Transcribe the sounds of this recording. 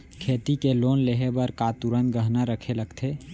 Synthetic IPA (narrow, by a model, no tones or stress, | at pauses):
kʰeːt̪ikeloːnleɦebəɾkat̪uɾən̚ɡəɦnaɾəkʰeləɡt̪ʰe